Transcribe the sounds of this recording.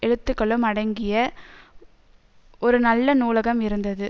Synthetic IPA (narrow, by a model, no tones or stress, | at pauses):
ɛɻɯt̪ːɯkːɐɭɯmɐɽɐŋɡɪjɐ | ʔɔɾɯnɐlːɐnuːlɐɣɐmɪɾɯnd̪ɐðɯ